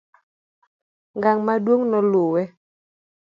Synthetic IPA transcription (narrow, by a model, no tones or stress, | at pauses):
ŋɡaŋmadwoŋnɔlowɛ